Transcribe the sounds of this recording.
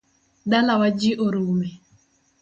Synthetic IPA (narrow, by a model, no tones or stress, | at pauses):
dalawad͡ʒiʔoɾume